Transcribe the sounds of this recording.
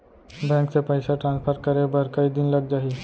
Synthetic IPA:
bɛ̃ːksepəɪsaʈɾãnspʰəɾkəɾebəɾkəid̪ɪnlɐɡd͡ʒaːɦi

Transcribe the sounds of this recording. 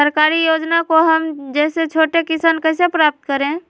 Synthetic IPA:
əɾkaːɾijoːd͡ʒnakoɦɐmd͡ʒɛːset͡ʃʰoːʈekɪsankɛːsepɾaːp̚t̪̚kəɾẽː

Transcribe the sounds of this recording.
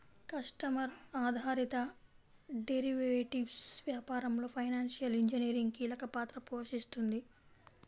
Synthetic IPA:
kɐsʈɐmɐɾaːd̪ʱaːɾit̪ɐ | ɖeɾiʋeːʈiʋsʋjaːpaːɾɐmlo̞ːpʰɐjnaːnʃijɐliɲd͡ʒiniɾiŋɡkiːlɐkɐpaːt̪ɾɐpoːʃist̪und̪i

